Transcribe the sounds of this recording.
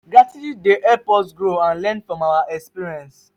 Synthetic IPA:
ɡɹatitideʔɛpɔtɡɹoãnlɛ̃nfɹɔ̃mawaʔɛkspiɹiɛ̃ns

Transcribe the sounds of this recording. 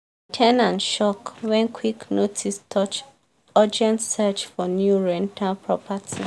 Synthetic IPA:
tʰɛnãnʃɔkwɛ̃nkʰwiknotʰistʰɔt͡ʃ | ɔd͡ʒɛ̃ntsɛt͡ʃfɔnjuɹɛ̃ntʰapʰɹɔpʰatʰi

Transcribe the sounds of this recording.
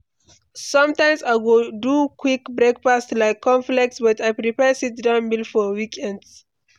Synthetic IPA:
sʌ̃mtãɪ̃msaɪɡodukʰwikbɹekpastlaɪkʰːɔ̃ɱflɛk̚tsbʌtajpɹipɛsitdãʊ̃nbilfɔwikʰɛ̃nds

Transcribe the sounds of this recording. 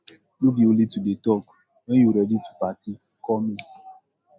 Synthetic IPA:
nubiolitudetɔk | nejuɾɛditu̥pati | kɔmi

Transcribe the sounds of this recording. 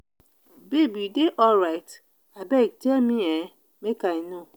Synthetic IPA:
bebideʔɔlɾaɪt | abɛk̚temĩɛ | mekainɔ̃

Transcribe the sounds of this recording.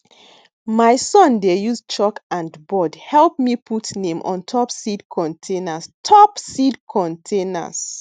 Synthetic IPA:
maɪsɔ̃ndejust͡ʃɔkãndbɔdhɛlˠp̚mipʰutnẽmʔɔ̰̃ntʰɔpsidkʰɔ̃ntʰẽnastʰɔpsidkʰɔ̃ntʰẽna̰s

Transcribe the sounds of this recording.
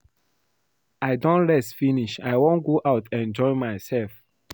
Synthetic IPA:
aɪdõntɹɛstfiniʃaɪwõnɡoʔaʊtʰɛ̃nd͡ʒɔɪmaɪsɛlf

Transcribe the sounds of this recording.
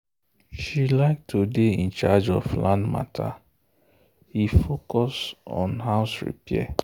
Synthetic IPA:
ʃilaɪk̚tʰudeĩnt͡ʃad͡ʒɔflãndma̰tʰa | ifokɔsɔ̰̃nɦaʊsɹḭpiɛ̰

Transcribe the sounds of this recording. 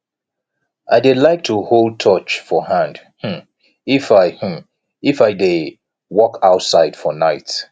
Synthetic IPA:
ʔaɪdelaɪk̚tʰuholˠd̚tʰɔt͡ʃfɔɦãnd | h̩ | ifaɪhm̩ | ifaɪde | wɔkaʊtsaɪd̥fɔnaɪt

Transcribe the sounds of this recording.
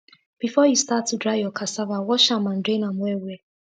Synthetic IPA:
b̥ifɔjustatːudɾaɪjɔkʰasavawɔʃamãn̩dɾẽnamwɛwe

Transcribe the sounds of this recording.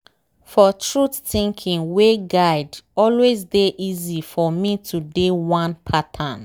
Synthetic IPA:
fɔtʰɹutθĩŋkʰĩŋweɡaɪdɔlwezdeʔizifɔmitʰudewãnpʰatʰãn

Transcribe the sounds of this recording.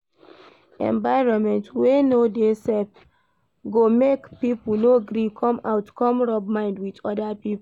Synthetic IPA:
ɛ̰̃ɱvaɪɹɔ̃nmɛ̃ntwenodesɛp | ɡomekpipnoɡɾikʰɔ̃ma̰ʊtkɔ̃mɹɔb̚mãɪ̃ndwitɔdapip

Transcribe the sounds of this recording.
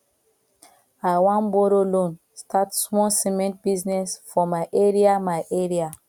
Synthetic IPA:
aɪwãnbɔɾolõn | stʰatsmɔsimɛ̃nt̚b̥iznɛsfɔmaɪʔeɹiamaɪʔeɹia

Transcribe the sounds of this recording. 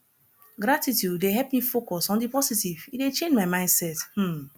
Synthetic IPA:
ɡɾatitjudeɦɛlpmifokɔsɔ̃ndipɔsitividet͡ʃẽnd͡ʒmaɪmãɪ̃ndsɛth̩

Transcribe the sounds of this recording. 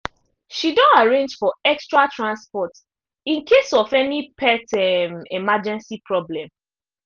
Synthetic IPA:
ʃidɔ̃naɹẽnd͡ʒfɔɛkstɹatʰɹãnspɔt | ĩnkʰesɔfɛnipʰɛtɛmemad͡ʒɛ̃nsipɹɔblɛ̃m

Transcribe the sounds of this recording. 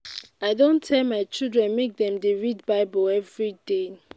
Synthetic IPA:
aɪdõntʰːɛlmaɪt͡ʃilˠdɹɛ̃nmek̚dɛ̃mdeɹid̚baɪbɔlɛvɹide

